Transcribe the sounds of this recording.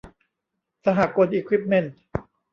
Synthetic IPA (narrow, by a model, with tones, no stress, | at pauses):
sa˧ɦa˨˩ko˧nʔiː˧kʰwi˦˥p̚me˦˥nt̪̚